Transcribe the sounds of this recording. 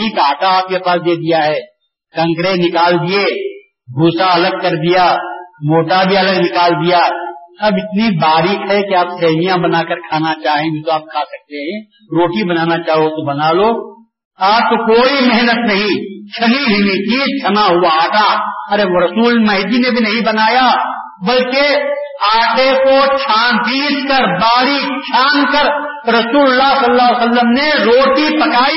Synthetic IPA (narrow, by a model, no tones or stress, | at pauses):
ik̪aːʈaaːp̚kepaːsd̪eːd̪ijaɦɛː | kɐ̃ŋkɾeːnɪkaːld̪ie | ɡʱuːsaɐləɡ̚kɐɾd̪ijaːmoːʈabʱiɐləɡnɪkaːld̪ijaːɐbɪt̪nibaːɾiːkɦɛkeaːpsɛːmijãbɐnaːkəɾkʰaːnat͡ʃaːɦẽɡʱit̪oaːp̚kʰaːsɐk̚t̪eɦɛ̃ | ɾoːʈibɐnaːnat͡ʃaːɦot̪obɐnaːloː | aːp̚t̪okoːimeɦnət̪nɐɦĩt͡ʃʰɐniɦɪ̃it̪it͡ʃʰɐnaɦuaaːʈaɐɾeɾɐsuːlmɐɦd̪inebʱinɐɦĩbɐnaːja | bɐlkeaːʈekot͡ʃʰaːnt̪iːskəɾbaːɽit͡ʃʰaːnkəɾ | ɾɐsuːllːaɦsɐlːasəlːəmneɾoːʈipɐkaːi